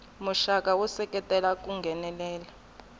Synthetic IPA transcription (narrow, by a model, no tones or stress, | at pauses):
muʃakʼawɔsɛkʼɛtʼɛlakʼuŋɡʱɛnɛlɛːla